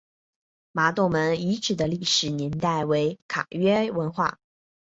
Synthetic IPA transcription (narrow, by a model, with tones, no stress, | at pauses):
ma˧˥t̪o˥˩ʊmə˧˥ni˧˥ʈ͡ʂɻ̩˨˩d̪ə˦li˥˩ʂɻ̩˨˩njɛ˧˥nt̪a˥˩ɪwe˧˥ɪkʰa̰˨˩ɥɛ˥wə˧˥nxwa̰˥˩